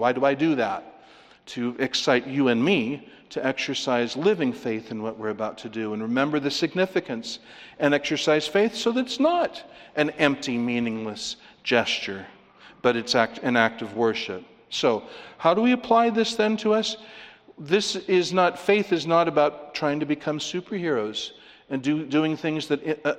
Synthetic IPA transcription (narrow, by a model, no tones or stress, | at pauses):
waɪɾəaɪdɨðætʰ | ɨɨksaɪt͡ʃɨɨ̃nmiɾʰɨɛksə˞saɪzlɪvɪ̃ŋfeɪθɨ̃nwʌʔ̚wɪɹɨbaʊtʰɨdɨə̃nɹɨmɛ̃mbə˞ðɨsɨɡ̚nɪfɨkɨ̃ns | ɨ̃nɛksə˞saɪz̥feɪθsoʊðɨɾɨtsnəɾʔɨ̃nɛ̃mp̚timĩnɪ̃ŋləs | d̥ʒ̥ɛst͡ʃə˞ | b̥ʌɾɨtsæk̚tɨ̃næk̚tʌvwɜ˞ʃɨp̚ | soʊhaʊɾəwiɨpʰl̥aɪðɪsðɨ̃ntʰəʌs | ðɪsɪznətfeɪθɨznəɾɨbaʊtʰɹ̥aɪɪ̃ŋtʰɨbɨkʰʌ̃msʉpə˞hɪɹoʊz̥ | ɨ̃ndʉdʉɪ̃ŋθɪ̃ŋzðɨɾɪ